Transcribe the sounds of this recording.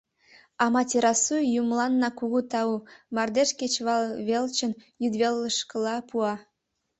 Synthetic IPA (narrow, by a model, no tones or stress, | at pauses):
ɑmɑt̪ʲeɾɑsujjumlɑnːɑkuɣut̪ɑumɑrd̪eʃket͡ɕβɑlβelt͡ɕənjyd̪βelːəʃkəlɑpuɑ